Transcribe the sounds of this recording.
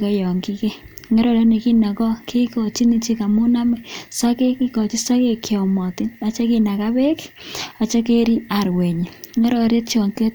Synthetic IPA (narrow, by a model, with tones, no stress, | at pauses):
ke˦jɔ˨ŋki˦ke˦ŋɛ˦ɾɔ˨ɾe˦ne˨ki˦na˨kɔ˦kʰi˦kɔ˨t͡ʃi˦ni˦t͡ʃi˦ka˨mʊ˦na˦mɛ˨sa˦ke˦ki˦kɔ˨t͡ʃi˦sa˦ke˦kjɔ˨mɔ˨ti˦na˨t͡ʃe˦ki˦na˨ka˦be˦ka˨t͡ʃe˦k̬e˦ɾi˦a˨ɾwe˨ɲe˨ŋɛ˦ɾɔ˨ɾje˦tt͡ʃɔ˨ŋke˦t̚